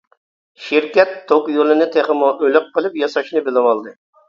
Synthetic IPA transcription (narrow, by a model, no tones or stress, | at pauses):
ʃiɾkʲɛt̪ʰːoqjolˠɨnɨt̪ʰeχəmʊʔølɪq̚qʰːəlˠɨpjɑsɑʃnɨbɪlˠɪwɑlˠd̪ɨ